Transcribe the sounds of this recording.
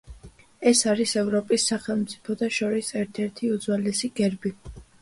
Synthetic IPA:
ɛsaɾisɛvɾɔpʼisːaχɛlˠmt̪sʼi̥pʰɔd̪ʰaʃɔɾisɛɾt̪ʰɛɾt̪ʰiud̪zwalɛsiɡɛɾbi

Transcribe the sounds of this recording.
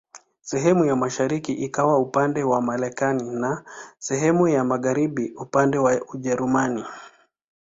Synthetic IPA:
sɛɦɛmujamaʃaɾikiʔikawaupandɛwamaɾɛkaninasɛɦɛmujamaɣaɾiɓiupandɛwauʄɛɾumani

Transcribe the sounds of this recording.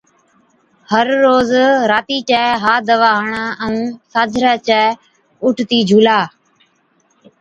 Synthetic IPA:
həɾːoːzɾaːt̪iːt͡ʃɛːɦaːd̪əʋaːɦɳaːəũːsaːd͡ʒʱɾaːt͡ʃɛː | ʊʈʰt̪iːd͡ʒʱuːlaː

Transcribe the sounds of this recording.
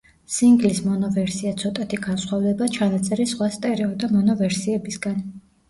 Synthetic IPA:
siŋɡlismɔnɔvɛɾsiat̪sʰɔt̪ʼat̪ʰiɡansχwavd̪ɛbat͡ʃʰanat̪sʼɛɾisχwast̪ʼɛɾɛɔd̪amɔnɔvɛɾsiɛbisɡan

